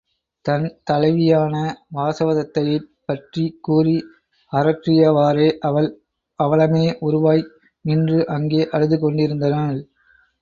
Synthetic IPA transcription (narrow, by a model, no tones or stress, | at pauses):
t̪ɐnt̪ɐlɐɪʋɪjaːnɐʋaːsɐʋɐðɐt̪ːɐjɐɪpːɐʈrikuːri | ɐɾɐʈrɪjɐʋaːɾeːɐ | ɐʋɐɭɐmeːʔʊɾɯʋaːj | ɪndrɯʔɐŋɡeːʔɐɻɯðɯkɔɳɖɪɾɯnd̪ɐnaːɭ